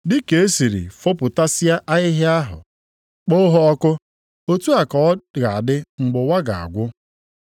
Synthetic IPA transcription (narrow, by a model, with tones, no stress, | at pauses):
dɪ˦ke˨e˦si˨ɾḭ˨fo˦pʊ˨ta˦si˦a˦ʔa˦ɣɪ˦ɦɪ˦a˦ɦʊ̰˨ | k͡po˦ɦɔ˦ɔ˦kʊ˦ | o˦tu˦a˨kɔ˨˦ɣa˨a˨dɪ˦ŋ͡m̩˨ɡ͡bʊ˨wa˦ɡa˨a̰˨ɡʷʊ˦